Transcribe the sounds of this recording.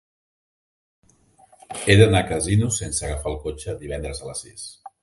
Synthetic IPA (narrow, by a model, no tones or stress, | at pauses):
eðənakəzinusensəɣafalˠkot͡ʃəd̪iβɛnd̪ɾəzələsːis